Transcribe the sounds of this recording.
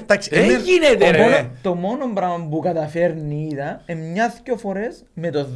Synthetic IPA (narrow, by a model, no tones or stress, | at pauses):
t̪akskined̪eot̪omonombɾambukad̪afeɾniðaemɲaθkjofoɾes | met̪o